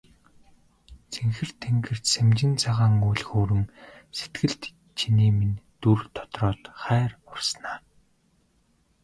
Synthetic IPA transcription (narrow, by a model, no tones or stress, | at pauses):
t͡sʰeŋxɘ̆r̥t̪ʰːeŋɡɘ̆r̥t͡ɕsemt͡ɕɪ̆nt͡sʰaʁaːŋujɮxoːɾɘ̆mset̪ɡɘ̆ɬt̪ | t͡ɕʰiniːmint̪urt̪ʰɔ̥t̪rɔːt̪χæːrʊrsnaː